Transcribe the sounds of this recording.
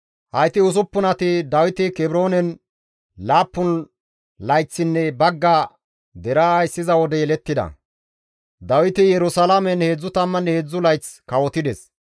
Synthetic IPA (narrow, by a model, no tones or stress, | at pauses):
hɐjt̪ɪʊs̬ʊpːʊnɐt̪ɪd̪ɐwɪt̪ɪkɛbɾo̞ːnɛn | laːpːʊn | lɐjt͡sːɪnːɛbɐɡːa | d̪ɛɾajsːɪzɐwɔd̪ɛjɛlɛt̪ːɪd̪ɐ̰ | d̪ɐwɪt̪ɪjɛɾʊsɐlamɛnheːd͡zːʊt̪ɐmːɐnheːd͡zːʊlɐjt͡skɐwɔt̪ɪd̪ɛs